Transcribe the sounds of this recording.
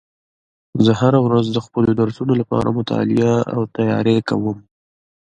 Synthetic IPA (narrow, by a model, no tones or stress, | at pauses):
zəɦaɾawɾazd̪əxpəlod̪aɾsunolapɑ̰ɾa̰mʊt̪ɑ̰lɪaa̰wt̪ajɑ̰ɾekawəm